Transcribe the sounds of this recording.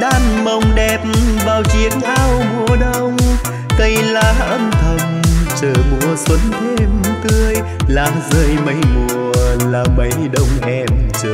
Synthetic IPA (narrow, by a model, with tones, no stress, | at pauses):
ɗaː˧˩nmə˨˩wŋ͡mɗɛ˨˩p̚vaː˨˩wt͡ɕi˨˦əŋʔaː˧wmu˨˩əɗə˧w | t̪ə˧jlaː˨˩ʔə˧mt̪ʰə˨˩nt͡ɕəː˨˩mu˧˨əswə˨˦nt̪ʰe˧mt̪ɨ˧əj | laː˨˩mzəː˧jmə˨˦jmu˨˩əəlaː˨˩mə˨˦jɗə˧wŋ͡mʔɛ˧mt͡ɕəː˨˩